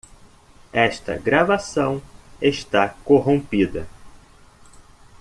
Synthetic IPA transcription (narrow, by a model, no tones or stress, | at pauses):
ɛʃt̪ɐ̰ɡɾavasɐ̃w̃eʃt̪akoɦõpid̪ɐ